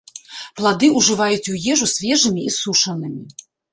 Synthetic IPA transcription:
plˠad̪ɨuʐɨvajut͡sʲujɛʐusʲvʲɛʐɨmʲiisuʂɐnɨmʲi

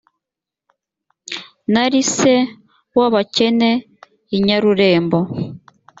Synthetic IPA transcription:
naɾise | waβacene | iɲaɾuɾe̞ːmbo

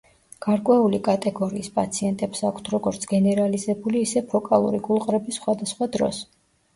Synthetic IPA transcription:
ɡ̥aɾkʼwɛulikʼat̪ʼɛɡɔɾiːspʼat̪sʰiɛnt̪ʼɛpsakʰt̪ʰɾɔɡɔɾt̪sʰɡ̥ɛnɛɾalizɛbuliːsɛpʰɔkʼalˠṵɾiɡulˠqʼɾɛbisːχwad̪asχwad̪ɾɔ̰s

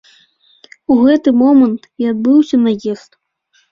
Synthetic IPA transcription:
uɣɛt̪ɨmɔmɐnt̪iad̪̚bɨwsʲɐnɐjɛst̪

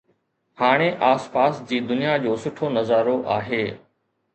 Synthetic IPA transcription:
haːɽ̃eʔaːspaːsd͡ʑiːd̪ʊnijad͡ʑoːsʊʈʰonɐzaːɾoʔaːɦeː

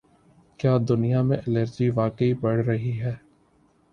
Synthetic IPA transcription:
kjaːd̪ʊnijamẽʔɪləɾd͡ʒiʋaːkəibɐɽ̤ɾɐɦiɦɛː

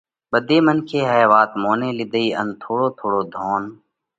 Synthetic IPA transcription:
ɓəd̪eːmənkʰeːɦəeʋaːt̪moːnẽːlɪd̪əiːə̰nt̪ʰoːɽoːt̪ʰoːɽoːd̪ʱoːn

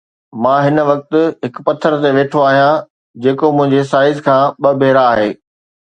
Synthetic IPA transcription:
mãːɦɪnʋɐk̚t̪ʊ̆ɦɪkpɐt̪ʰːəɾt̪eʋeːʈʰoaːɦijã | d͡ʑeːkomʊ̃ɦɪ̃ɲd͡ʑesaːɪzkʰãːɓɐbʱeːɾaːɦeː

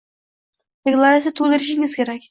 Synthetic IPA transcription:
d̪̥eklˠaɾasʲjat̪ʰolɪɾɪʃɪŋɪz̥kʲʰe̞ɾakʲ

